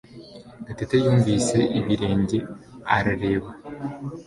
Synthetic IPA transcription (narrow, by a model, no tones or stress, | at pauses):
ɡatetejuːɱvise̞ʔiβiɾe̞ːɲɟe̞aɾaɾe̞ːβa